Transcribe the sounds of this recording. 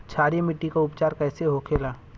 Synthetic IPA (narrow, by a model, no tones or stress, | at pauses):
t͡ʃʰaːɾemɪʈːikaʊpt͡ʃaːɾkɛːseɦoːkʰeːlaː